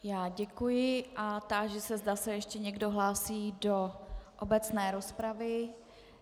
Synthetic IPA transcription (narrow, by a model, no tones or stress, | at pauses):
jaːɟɛkujɪʔat̪aʒɛsɛzdasɛjɛʃcɛɲɛɡdo̞ɦlaːsiːdoʔobɛt͡snɛːɾospɾavɪ